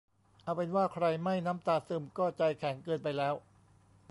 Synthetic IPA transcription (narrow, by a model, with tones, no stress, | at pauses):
ʔa˧˩wpe˧nwaː˥˩kʰɾa˧jma˥˩jnaː˦˥mt̪aː˧˩sɯː˧˩mkɔː˥˩t͡ɕa˧jkʰɛː˩˦nkɤː˧npa˧jlɛː˦˥w